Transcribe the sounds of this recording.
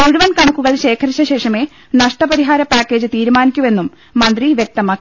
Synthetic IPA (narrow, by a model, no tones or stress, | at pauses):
kuɻuʋɐnkɐɳɐkːuɣɐɭɕe̞ːkʰɐɾiɕːɐɕe̞ːʂɐme̞ː | nɐʂʈɐpɐɾiɦaːɾɐpaːkːe̞ːd͡ʑɨt̪iːɾumaːnikʲːume̞nːumː | ɐnd̪riʋjek̚t̪ɐmaː